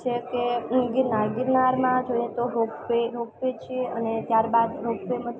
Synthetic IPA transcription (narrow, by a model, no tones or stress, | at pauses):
t͡ʃʰekeɡɪɾnaɾɡɪɾnaɾmãd͡ʒoiet̪oɦokpeɾok̚pet͡ʃʰieənet̪jaɾbad̪ɾokpemə